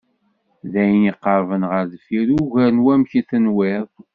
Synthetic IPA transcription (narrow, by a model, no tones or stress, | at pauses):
ðæjniqːəɾˤvənʁəɾðfiɾuʝænwæmçiθənwɪɾˤ